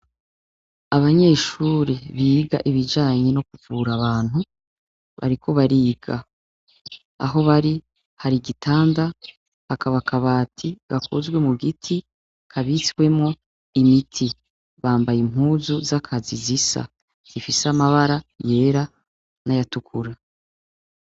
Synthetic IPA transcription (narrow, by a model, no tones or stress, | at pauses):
aβaɲe̞ʃuːɾiβiːɡa̰ʔiβid͡ʒaːɲe̞no̞k̚uvuɾaβaːn̥hu | βa̰ɾikʰo̞βaɾiːɡ̥a | a̰ɦo̞βaɾi | haɾiɡitʰaːnda | βakʰaβakʰaβaːtʰiɡakʰo̰zɡwe̞muɡitʰi | kʰaβiswe̞mŋo̞ | imitʰi | βaːmbajim̥ɦuːzuzakʰazizisa̰ | z̥ifisamaβaɾaje̞ːɾa | najatukʰuɾa